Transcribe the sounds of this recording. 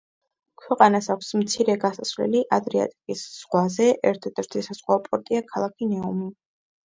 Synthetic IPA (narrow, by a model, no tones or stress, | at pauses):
kʰwɛqʼanasakʷʰsmt̪sʰiɾɛɡasasvlɛ̰liʔad̪ɾɛa̰t̪ʼikʼisz̥ʁwazɛʔɛɾt̪ʰɛd̪ɛɾt̪ʰisaz̥χwaɔpʼɔɾt̪ʼiakʰalˠakʰinɛumi